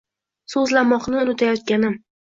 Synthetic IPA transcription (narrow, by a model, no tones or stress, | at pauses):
sɵzlamɒqnɪʊnɪt̪ʰajɒt̪̚kʲanɪm